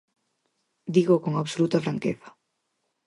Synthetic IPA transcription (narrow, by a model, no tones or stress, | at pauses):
d̪iɣokoŋaβsolut̪ɐfɾaŋkeθḁ